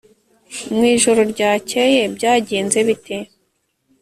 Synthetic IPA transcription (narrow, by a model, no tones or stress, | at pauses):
mŋiːʒoɾoɾɟaːceje̞bɟaːɟeːnze̞βite